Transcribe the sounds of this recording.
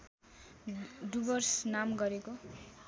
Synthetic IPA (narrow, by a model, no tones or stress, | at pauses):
ɖubʌrsnamɡʌɾeko